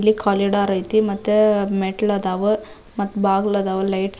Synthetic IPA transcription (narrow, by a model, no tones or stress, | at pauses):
lːikʰɔːleɽaɾɐjt̪imɐt̪ːemeʈɐlɐd̪aːʋɯ | mɐt̪ːubaːɡlɐd̪aːʋɐlɐjʈs